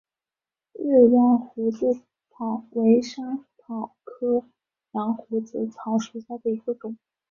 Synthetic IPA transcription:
ɻ̩˥˩ɻɑ˥ŋxu˧˥t͡sɹ̩˥˩ | t̪ʰɑ˨˩˦ʊwe˧˥ɪʂə˥ŋt̪ʰɑ˨˩ʊkʰɤ˥ | lɑ˧˥ŋxu˧˥t͡sɹ̩˥˩t͡sʰɑ˧˥ʊʂu˧˥ɕja˥˩d̪ə˩i˧˥ɡə˧ʈ͡ʂʊ˨˩˦

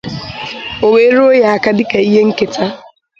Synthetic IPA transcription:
o˨we˨˦ɾo˦ja˨a˨ka˦dɪ˦ka˨i˦ɦe˦ŋ̩˦ke˨ta˦

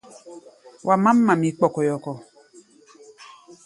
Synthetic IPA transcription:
wʔa˨ma˦mːa˨mi˨k͡pɔ˨kɔ˨jɔ˨kɔ˨

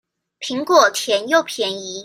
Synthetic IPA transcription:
pʰi˧˥ŋkwɔ˥˩t̪ʰjɛ˧˥njo˥˩ʊpʰjɛ˧˥ni˧˥

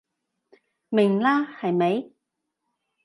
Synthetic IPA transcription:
mɪ˨˩ŋlaː˥hɐ˨jme˨˥j

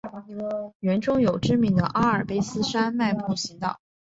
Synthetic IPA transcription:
ɥɛ˧˥nʈ͡ʂʊ˥ŋjo˨˩ʊʈ͡ʂɻ̩˥mi˧˥ŋd̪ə˧ʔa˥ə˞˨˩pe˥ɪsɹ̩˥ʂa˥nma˥˧ɪpu˥˩ɕi˧˥t̪ɑ˨˩˦

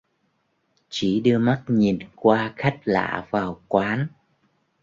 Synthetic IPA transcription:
t͡ɕi˧˩ɗɨ˧əma˦˥t̚ɲi˨˩nkwaː˧xa˦˥jk̟̚la̰ː˧˨vaː˨˩wkwaː˨˦n

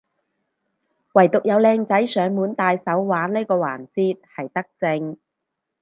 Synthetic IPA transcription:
wɐ˨˩jt̪ʊ˨k̚jɐ˨˧wlɛː˧ŋt͡sɐ˨˥jsœː˨˧ŋmuː˨˥nt̪aː˧jsɐ˨˥wwaː˨˥nleː˥jkɔː˧wa̰ː˨˩nt͡siː˥t̪̚hɐ˨jt̪ɐ˥k̚t͡sɪ˧ŋ

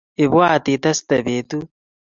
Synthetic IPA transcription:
e˨βwaː˦˨ti˨t̪a˦si̥ta˨βeː˨tu˦

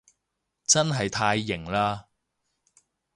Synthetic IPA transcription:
t͡sɐ˥nɦɐ˨jt̪ʰaː˧jːɪ˨˩ŋlaː˧

